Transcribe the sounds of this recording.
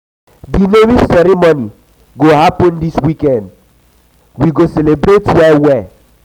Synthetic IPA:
dinemisɛɾimoni | ɡohapɔ̃ndiswikɛ̃nd̚ | wiɡosɛlebɾetwɛwɛ

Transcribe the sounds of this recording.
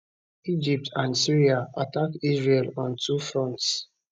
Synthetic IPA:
id͡ʒip̚tʰãnsiɹiaatakizɹelɔ̃ntʰufɹɔ̃nts

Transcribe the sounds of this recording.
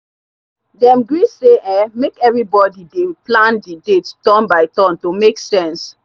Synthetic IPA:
dɛ̃mɡɹiseʔɛ̃mekɛvɹibɔdideplãndidetdɔ̃nbaɪtɔ̃ntomeksɛ̃ns

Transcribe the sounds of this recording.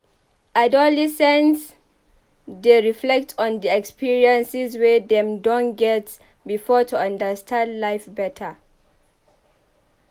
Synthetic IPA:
ʔadɔlɛsɛ̃ns | deɹiflɛk̚tʰɔ̃ndiɛkspiɹiãnsizwɛdɛ̃mdɔ̃nɡɛt | bifɔtuãndəstʰãndlajfbɛtʰə

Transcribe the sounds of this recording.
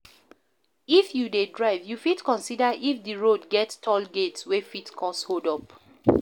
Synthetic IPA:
ifjudedɹaɪvjufitkɔ̃nsidaʔifdiɹodɡɛttʰɔlɡetswefitkʰɔ̃shodɔp

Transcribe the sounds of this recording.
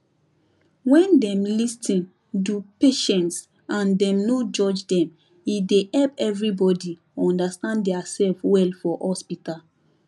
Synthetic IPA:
wɛ̃ndɛ̃mlistʰĩn | dupeʃɛ̃nts | ãndɛ̃mnod͡ʒɔd͡ʒdɛ̃m | idehɛlpɛvɹibɔdi | ɔ̃ndastãnddɛasɛlfwɛlfɔhɔspital

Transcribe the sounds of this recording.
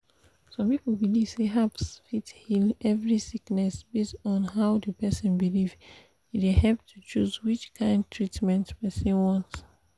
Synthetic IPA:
sɔ̃mpipəbiliv̥seɦapsfithilʔɛvɹisiknɛsbesɔ̃n̩ɦaʊdəpɛsɔ̃nbiliv | itwihɛlp̚tʰut͡ʃuzwit͡ʃkʰãɪ̃ndtʰɹitmɛ̃ntpɛsĩnwɔ̃nts

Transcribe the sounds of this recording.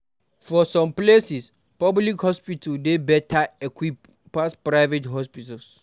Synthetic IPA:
fɔsɔ̃mplesis | pɔblikhɔspitʰadebɛtʰaɛkʰwip | paspɹaɪvetɦɔspitals

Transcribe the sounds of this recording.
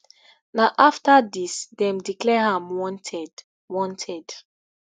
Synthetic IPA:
naʔaftadisdɛ̃mdiklɛhãmwɔ̃ntʰɛd | wɔ̃ntʰɛd̥

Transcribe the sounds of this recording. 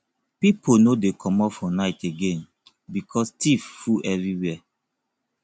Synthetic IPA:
piponodekʰɔmɔpfɔnaɪteɡẽn | bikʰɔstifːuʔɛvɹiwɛ

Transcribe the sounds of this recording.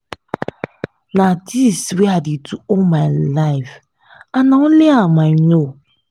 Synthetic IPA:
nadisweadituomajlaɪf | anaoleamano

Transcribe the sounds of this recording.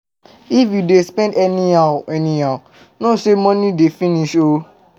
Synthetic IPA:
ifjudespɛ̃ndɛniaɛnĩa | nosemɔ̃nĩdefĩniʃo

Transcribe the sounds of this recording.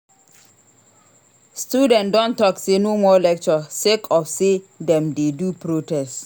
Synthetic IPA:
studɛ̃ntdɔ̃ntɔksenomɔlɛk̚t͡ʃɔsekʰɔfsedɛ̃mdedupɹotɛst

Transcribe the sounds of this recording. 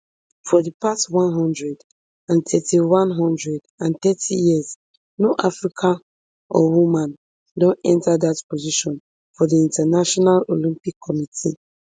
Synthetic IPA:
fɔdipastwãnɦɔ̃ndɹɛd | ãntʰɛtʰiwãnɦɔ̃ndɹɛdãnt̪ɛtʰijiz | noʔafɹikʰã | ɔ̰wumãn | dõnɛ̃ntʰadatpʰoziʃɔ̃n | fɔdiĩntʰanaʃɔnalolĩmpikʰːɔmitʰi

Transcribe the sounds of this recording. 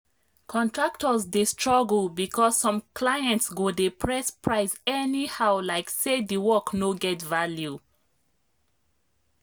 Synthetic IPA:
kʰɔ̃ntɹak̚tɔzdestɹɔɡl̩bikʰɔsːɔ̃mkʰlajɛ̃ntsɡodepʰɹɛspʰɹaɪsɛnihaʊlaɪksediwɔknoɡɛtvalju

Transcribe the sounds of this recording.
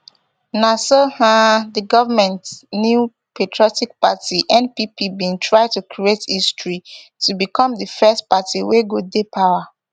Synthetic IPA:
nasohãdiɡɔvamɛ̃ntnju | petʰɹɔtik̚patiʔɛ̃npipibĩntʰɹaɪtukʰɹietistɹitubikɔ̃mdəfɛstpatʰiweɡodepʰawa

